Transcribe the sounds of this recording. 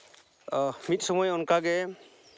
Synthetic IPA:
mit̪̚ˀsɔmɔjɔnkaɡɛ

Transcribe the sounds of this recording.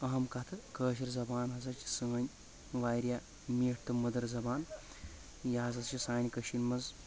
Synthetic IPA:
ɐɦɐmkɐt̪ʰɨkəːʃ̬iɾzɐbaːnɦɐzɐɾt͡ʃʰi̥səːnʲ | ʋaːjɾjaː | miːʈʰt̪ɨmɐd̪ɐɾzɐbaːn | jaːzɐzt͡ʃʰisaːnʲkɐʃinmɐz

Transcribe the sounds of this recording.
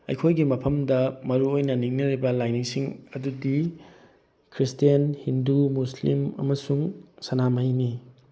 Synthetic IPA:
ɐ̰jkʰojɡimɐpʰɐmdɐmɐɾuojnɐniŋniɾibɐlajniŋsiŋɐdudi | kʰɾistijɐnhindumuslimɐ̰mɐsuŋsɐnamɐjni

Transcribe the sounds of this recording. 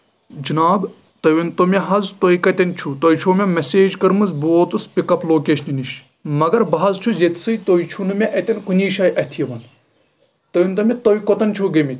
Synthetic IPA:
d͡ʒinaːb | t̪ɐʋint̪omʲeɦɐzt̪ojkɐt̪ʲɐnt͡ʃʰut̪ojt͡ʃʰoːmʲɐmɐseːd͡ʒkɐɾmɨzbuoːt̪uspikɐploːkeːʃniniʃ | mɐɡɐɾbɐɦɐzt͡ʃʰuzjet̪ʰsɨjt̪oit͡ʃʰunɨmʲeʔɐt̪ʲɐnkuniːʃaːjʔɐt̪ʰjɐʋɐn | t̪ɐʋint̪omʲet̪ojkot̪ɐnt͡ʃʰuɡɐmit̪ʲ

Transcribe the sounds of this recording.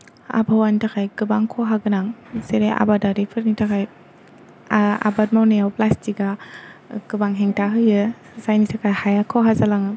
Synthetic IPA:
a̰bʰawanitʰakʰajɡɯbaŋkʰɔɦaɡɯnaŋseɾeʔa̰badaɾipʰɯɾnitʰakʰaj | a̰bat̚mawnejawplastika | ɡɯbaŋɦeŋtʰaɦɯjɯ | zajnitʰakʰajhajakʰɔɦazalaŋɯ

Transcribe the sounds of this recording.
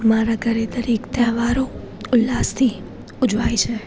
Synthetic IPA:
maɾaɡʱəɾet̪əɾikt̪ɛɦʋaɾo | ʊlːast̪ʰi | ʊd͡ʒʋajt͡ʃʰe

